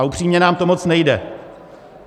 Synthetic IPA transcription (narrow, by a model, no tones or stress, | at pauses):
ʔupr̝̥iːmɲɛnaːmt̪o̞mo̞t͡snɛjdɛ